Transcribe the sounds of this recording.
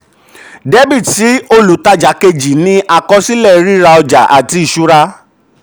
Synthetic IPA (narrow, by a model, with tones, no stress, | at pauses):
de˦bi˦˨ti˨˦o˧lu˨˦ta˧d͡ʒa˨˦ke˧d͡ʒi˨nĩ˦ʔa˧˨kɔ˧˦si˦lɛ˦˨˦ɾi˦ɾa˧ɔ˧d͡ʒa̰˨ʔa˨ti˧i˨ʃu˦ɾa˧